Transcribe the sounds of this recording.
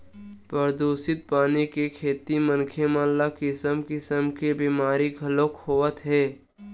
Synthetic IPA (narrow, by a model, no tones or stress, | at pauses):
pɾəɾd̪oːsɪt̪̚paːnikekʰeːt̪imənkʰemaːllakɪsəmkɪsəmkebiːmaːɾiɡʱɐlokhoːʋət̪ɦɛː